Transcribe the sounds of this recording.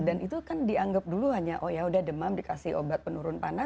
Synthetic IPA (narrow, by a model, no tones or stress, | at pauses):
danit̪ukandiaŋɡəp̚duluɦaɲaʔojaudahdəmamdikasɪho̰bat̪̚pənuɾʊnpa̰na